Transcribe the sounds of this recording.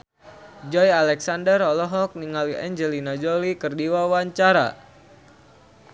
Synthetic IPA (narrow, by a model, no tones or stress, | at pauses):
d͡ʒɔjalɛksandərɔlɔɦɔk̚niŋaliɛɲd͡ʒəlinad͡ʒɔlikərdiwawaɲt͡ʃaɾa̰